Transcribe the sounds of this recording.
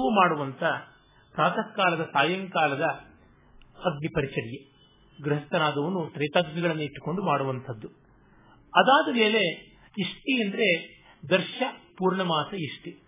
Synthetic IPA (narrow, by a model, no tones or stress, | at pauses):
ɐʋumaːɽuʋɐnt̪ʰɐ | pɾaːt̪ʰɐkːaːlɐd̪ɐsaːjɐŋkaːlɐd̪ɐ | ɐɡnipɐɾit͡ʃɐɽije | ɡɾɐɦɐst̪ɐnaːd̪ɐʋɐnut̪ɾɐjt̪aːɡd͡ʒiɡɐɭɐnːuiʈːu̥ko̞ɳɖumaːɽuʋɐnt̪ʰɐd̪ːu | ɐd̪aːd̪ɐmeːle̞ | iʂʈiend̪ɐɾe̞ | d̪ɐɾʂʃɐpuːɾɳɐmaːsɐiʂʈi